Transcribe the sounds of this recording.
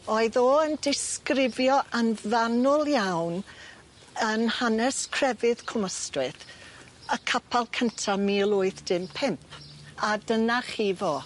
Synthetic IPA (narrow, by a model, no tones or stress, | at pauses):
ɔɨðoːəndɪskrɪvjɔʔanvanʊlˠjawn | ənhanɛskʰr̥ɛvɨðkʰɔməstrɪθ | əkʰapʰalˠkʰəntʰamilˠʊɨθd̥ɪmpʰɪmpʰadənaχivoː